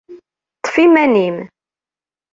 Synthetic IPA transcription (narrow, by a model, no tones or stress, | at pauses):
t̪ˤːfimænim